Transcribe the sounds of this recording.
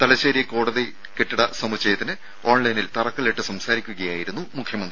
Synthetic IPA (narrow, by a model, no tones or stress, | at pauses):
t̪ɐlɐɕeːɾijɐkoːɽɐði | keʈːiɽɐsɐmut͡ɕːɐjɐt̪ːinɨ | o̞ːɳlɐjnilt̪ɐrɐkːɨɭeʈːɨsɐmsaːɾikʲːuɣɐjaːjiɾunːumukʰjɐmɐnd̪ri